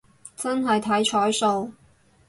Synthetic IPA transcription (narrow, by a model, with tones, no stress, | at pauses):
t͡sɐ˥nɦɐ˨jt̪ʰɐ˨˥jt͡ʃʰɔː˨˥jso˧w